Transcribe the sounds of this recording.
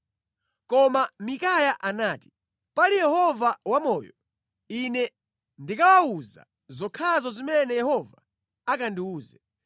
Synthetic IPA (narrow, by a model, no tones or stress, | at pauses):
kɔmamikajaʔanaːti̥ | palijɛhɔvawamɔːjɔ | inɛ | ndikawauza̰ | zɔkʰazɔzimɛnɛjɛhɔva | akandiuːzɛ